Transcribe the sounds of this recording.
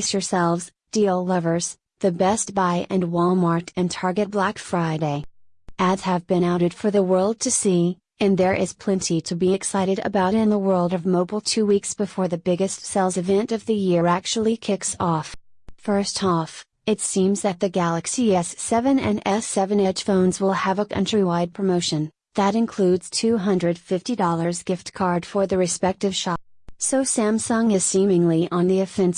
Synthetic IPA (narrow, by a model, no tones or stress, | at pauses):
sə˞sɛlˠvz | d̥il̩ˠlʌvə˞z̥ | ðɨbɛst̚b̥aɪʔɨ̃nwɔlˠmɑɹk̚tʰɨ̃ntʰɑɹɡɨt̚b̥lækfɹaɪɾeɪ | ʔɨz̥ɨvbɨ̃ɾ̃aʊɾɨd̥fə˞ðəwɜ˞lˠd̚tʰɨsi | ɨ̃nðə˞ʔɪz̥pʰl̥ɛ̃ntʰiɾɨbiɨksaɪɾɨɾɨ̰baʊɾɾɨ̃nðəwɜ˞lˠdʌvmoʊbl̩ˠtʰʉwiksb̥ɨfɔɹðɨbɪɡɨstsɛlˠzɨvɛ̃ntʌvðɨjɪæk̚t͡ʃul̩ˠikʰɪksɔf | fɜ˞stɔf | ɨtsĩmzðɨt̪̚ðɨɡælˠəksiɛsːɛvɨ̃nɨ̰̃nɛsɛvɨ̃nɛd̥ʒ̥fõʊ̃nzwɪlˠəvəkʰʌ̰̃nt͡ʃɹ̥iwaɪd̚pʰɹ̥əmoʊʃɨ̃n | ðɨɾɨ̃nkʰl̥ʉdz̥tʰʉɦʌ̃ndɹɨd̥fɪftidɔlˠə˞zɡɪft̚kʰɑɹd̥fə˞ðɨɹɨspɛk̚tɨv̥ʃɑp̚soʊsæ̃msʌ̃ŋɨsĩmɪ̃ŋliʔə̃nðiɨfɛ̃ns